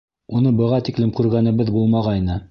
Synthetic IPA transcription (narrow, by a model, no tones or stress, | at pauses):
unɤbɤ̆ʁɑt̪iklɘmkʉɾɡænɘ̆βɘðbulˠmɑʁɑjnɤ